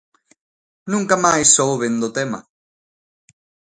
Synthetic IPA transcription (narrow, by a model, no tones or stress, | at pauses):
nũŋkamajsowβend̪ot̪ema̰